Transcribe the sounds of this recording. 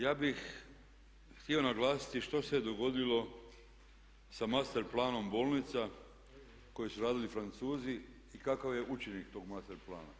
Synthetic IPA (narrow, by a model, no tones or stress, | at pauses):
jaːbix | xt̪ieo̞naɡlˠaːsi̥t̪iʃt̪o̞sed̪o̞ɡo̞d̪ilo̞ | samast̪eɾplˠaːno̞mbo̞ːlnit̪sa | ko̞jisuɾaːd̪ilifɾant̪suːzi | ikakaʋje̞ʔut͡ʃenikt̪o̞ːɡmast̪eɾplˠa̰ːna̰